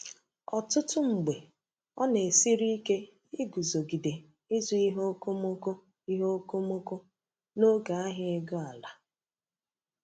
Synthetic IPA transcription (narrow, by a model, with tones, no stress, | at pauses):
ɔ˨tʊ˦tʊ˦ŋ͡m̩˨ɡ͡be˨ | ɔ˦ne˨si˦ɾi˦ke˦ | i˦ɡu˨zo˨ɡi˨de˨ | i˦zu˦i˦ɦo˦ko˦mo˦ko˦ | i˦ɦo˦ko˦mo˦ko˦ | no˦ɡa˨a˦ɦɪ˦e˦ɡo˦a˨la˨